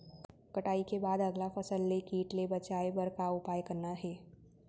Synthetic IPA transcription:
kɐʈaːikebaːd̪ɐɡlafɐsəlːekiːʈlebɐt͡ʃaːebɐɾkaʊpaːjkɐɾnaɦɛː

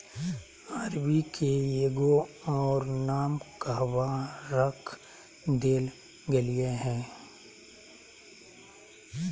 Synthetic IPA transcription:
aːɾwikʰeeːɡoɔːɾnaːmkəɦwaɾəkʰ | d̪eːl | ɡɐlieɦɛ̃ː

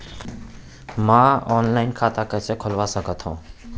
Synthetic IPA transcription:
mãːɔːnlaːɪnkʰaːt̪akəsekʰʊlʋasəkət̪ɦũː

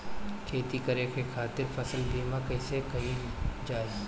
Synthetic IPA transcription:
kʰeːt̪ikɐɾekʰekʰaːt̪ɪɾfɐsəlbiːmakɐɪsekɐɦĩ | d͡ʒaːɪz

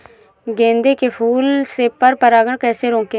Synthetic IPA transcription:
ɡẽːnd̪eːkepʰuːlseːpəɾpəɾaːɡəɳkɛːseːɾõːke

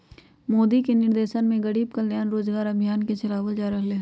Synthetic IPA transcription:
moːd̪ikenɪɾd̪eːʃənmẽɡəɽiːbkɐljaːnɾoːd͡ʒɡaːɾəbʱijaːnket͡ʃɐlaːʋəld͡ʒaːɾəɦle

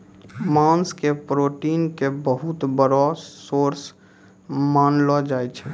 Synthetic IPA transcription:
mãːnskepɾoːʈiːnkebəɦʊt̪bəɾɔsoːɾs | maːnlɔd͡ʒaːet͡ʃʰɛ

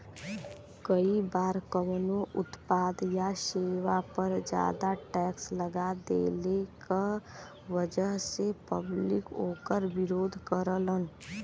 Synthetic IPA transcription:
kəibaːɾkəmnoʔʊt̪paːd̪jaʃeːwapəɾd͡ʒja̰ːd̪aʈɛːksləɡad̪ḛːleka | ʋəd͡ʒəɦsepə̰blɪkoːkəɾʋɪɾoːd̪ʱkəɾələn

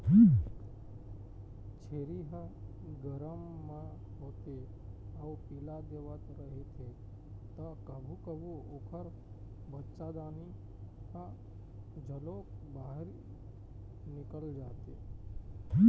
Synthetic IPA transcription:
t͡ʃʰeːɾiɦə | ɡəɾəmːã | ɦot̪e | aupilad̪eʋət̪ɾəɦet̪ʰe | t̪akəbʱukəbuokʰəɾ | bətːt͡ʃad̪aːni | ɦə | d͡ʒʱəlok̚baɦɾ | nɪkəld͡ʒaːt̪e

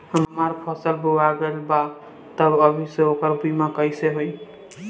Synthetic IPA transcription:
ɦʌmmaɾpʰʌsəlbuwaɡelba | t̪ʌbʌbʱiseokəɾbumakʌjseɦoj

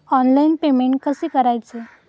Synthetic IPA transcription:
ɔnlainpemeɳʈ̚kəseːkəɾajt͡se

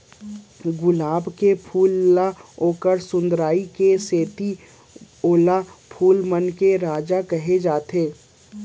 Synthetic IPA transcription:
ɡʊlaːbkepʰuːlːaoːkəɾsʊ̃nd̪ɾaːikeseːt̪i | oːlapʰuːlmənkeɾaːd͡ʒakɐɦed͡ʒaːt̪eː

